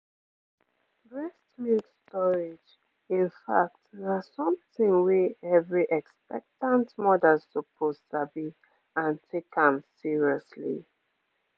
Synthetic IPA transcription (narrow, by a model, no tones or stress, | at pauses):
ɹɛstmitstɔɹɪd͡ʒ | ĩnfa̰k̚tnasɔ̃mθɪ̃ŋwiɛvɹiʔɛkspɛ̰k̚tãntmɔdəltəpʰozsabi | ãntʰekə̃msiɹiɔslḭ